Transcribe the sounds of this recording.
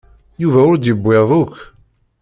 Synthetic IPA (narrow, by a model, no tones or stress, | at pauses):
juvæʊɾd̪jəbʷːeðˤʊkː